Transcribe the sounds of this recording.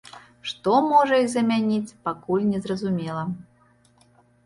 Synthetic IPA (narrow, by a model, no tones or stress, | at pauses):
ʂt̪ɔmɔʐɐizɐmʲanʲit͡sʲpakulʲnʲɛzɾɐzumʲɛlˠɐ